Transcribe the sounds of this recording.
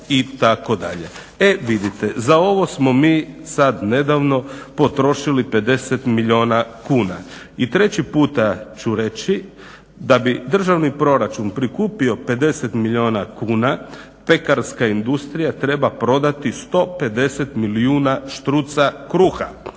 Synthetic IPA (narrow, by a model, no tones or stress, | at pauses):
it̪ako̞d̪a̰ʎe̞ | e̞ʋid̪it̪e̞zao̞ʋo̞smo̞miːsad̪ne̞d̪aʋno̞po̞t̪ɾo̞ʃilipe̞d̪e̞set̪miʎo̞ːnakuːna | it̪ɾe̞t͡ɕipuːt̪at͡ʃuɾe̞t͡ɕi | d̪abid̪r̩ʒaʋnipɾo̞ɾat͡ʃunpɾikuːpio̞pe̞d̪e̞se̞t̪miʎʲio̞ːnakuːna | pe̞kaɾskaind̪ust̪ɾijat̪ɾe̞bapɾo̞d̪at̪ist̪o̞pe̞d̪e̞se̞t̪miliuːnaʃt̪ɾut̪sakɾuːxa̰